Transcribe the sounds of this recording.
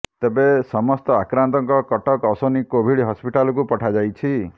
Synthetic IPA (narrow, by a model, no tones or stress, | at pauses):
t̪ebesɔmɔst̪ɔakɾant̪ɔŋkɔkɔʈɔkɔsonikobʱiɽɦɔspiʈalɔk̬upɔʈʰad͡ʒajt͡ʃʰi